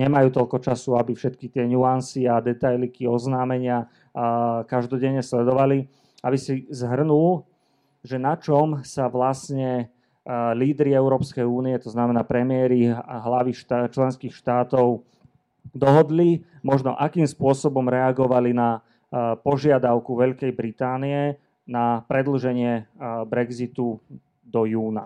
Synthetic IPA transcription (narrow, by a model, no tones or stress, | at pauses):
ɲɛmajuːt̪ɔlkɔt͡ʃasuabifʃɛt̪kit̪ɪɛɲuansiad̪ɛt̪ajlikiɔznaːmɛɲɪa | kaʒd̪ɔɟɛɲːɛslɛd̪ɔʋali | abisizɦr̩nul | ʒɛnat͡ʃɔmsaʋlasɲɛ | liːd̪ɾiɛʊɾɔːpskɛjuːniɛt̪ɔznamɛnaːpɾɛmɪɛɾiɦlaʋiʃt̪t͡ʃlɛnskiːxʃt̪aːt̪ɔʊ | d̪ɔɦɔd̪limɔʒnɔ̰ʔakiːmspʊɔsɔbɔmɾɛaɡɔʋalina | pɔʒɪad̪aʊkuʋɛʎkɛjbɾit̪aːniɛ | napɾɛd̪l̩ʒɛɲɪɛbɾɛɡzit̪u | d̪ɔjuːna